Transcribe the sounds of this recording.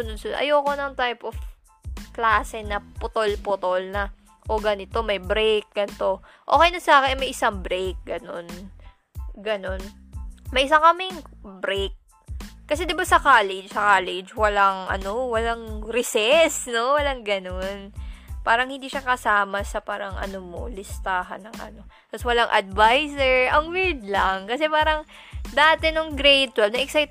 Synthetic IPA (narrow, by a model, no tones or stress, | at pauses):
ʊnʊd̪̚sʊʔɐ̰joːko̞nɐŋt̪ajpof | klaːsɛnɐpʊt̪olpot̪olnɐ | ʔoɡɐnɪt̪o̞mɐjbɾejk̚ɡ̥ɐnt̪o̞ | ʔoːkɛjnɐsɐaːkɪnmɐjʔɪsaŋbɾejk̚ɡɐno̞n | ɡɐno̞n | mɐjʔɪs̬aŋkɐmɪŋbɾejk̚ː | ɐs̬ɛd̪ɪbasɐkaːlɛd͡ʒsɐkaːlɛd͡ʒwɐlaŋʔɐ̰no̞wɐlaŋɾɪsɛsno̞wɐlaŋɡɐnonpaːɾɐŋhɪnd̪iːʃakɐsaːmɐsɐpaːɾɐŋʔɐ̰nomo̰lɪst̪aːɦɐ̰nːɐŋʔɐ̰no̞ | t̪ɐswɐlaŋʔɐ̰d̪̚vajsɛɹʔɐŋwiɹd̪lɐŋkɐsɛpaːɾɐŋ | d̪aːt̪ɛnoŋɡɾejt̪wɛlnɐʔɛksajt̪